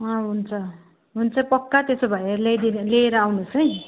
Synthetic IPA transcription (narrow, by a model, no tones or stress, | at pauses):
ãɦunt͡sʰʌ | ɦunt͡sʰʌpʌkːat̪esobʱʌjeɾlejd̪inleeɾʌawnusʌj̃